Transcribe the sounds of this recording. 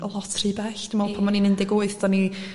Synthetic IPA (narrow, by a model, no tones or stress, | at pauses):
əlˠɔtʰriːbɛɬd̥ɪmɛlˠpʰamaninɪndɪɡoɨθd̥ɔni